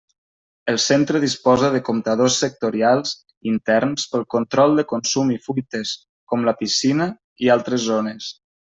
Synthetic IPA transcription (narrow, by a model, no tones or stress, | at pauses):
əlˠsent̪ɾəðispɔzəðəkomt̪əðosːək̚t̪uɾialˠz | int̪ɛɾnspəlˠkont̪ɾɔlˠd̪əkonsumifujt̪əs | kɔmləpisinə | ialˠt̪ɾəzːonəs